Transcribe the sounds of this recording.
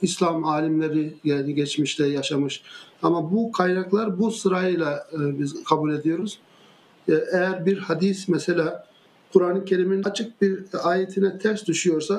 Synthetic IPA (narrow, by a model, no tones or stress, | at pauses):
islʲˠamaːlʲimlʲeɾijɛniɟɛt͡ʃmiʃlɛjaʃamɯʃamabukʰajnaklˠaɾbusɯɾajɯjlˠabizkʰabuːlʲe̞d̪ijo̞ɾuz̥ | ʔɛjæɾbiɾhad̪ismɛselʲaː | kʰuɾaːnɯcʰe̞ɾiminat͡ʃʰɯk̚biɾaːjet̪ʰinɛt̪ʰæɾsd̪uʃujo̞ɾsa